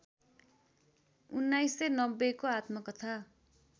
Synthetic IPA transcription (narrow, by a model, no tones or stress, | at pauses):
unːajsenʌbːekoat̪mʌkʌt̪ʰa